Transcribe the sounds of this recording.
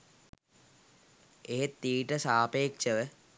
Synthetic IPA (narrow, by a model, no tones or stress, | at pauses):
eɦet̪ːiːʈəsaːpeːkʃəʋə